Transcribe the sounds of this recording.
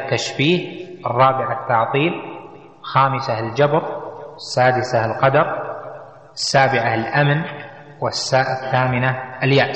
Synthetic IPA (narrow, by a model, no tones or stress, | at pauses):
t̪ːaʃbiːhʔɨrˤːɑːbɪʕat̪ːɑʕt̪ˤiːl | xaːmɪsald͡ʒabɾˤɪsːaːd̪ɪsalqɑd̪ɑɾˤ | ɪsːaːbɪʕalʔamn | wɪsːaːʔɪθːaːmɪnaɪljaːʔ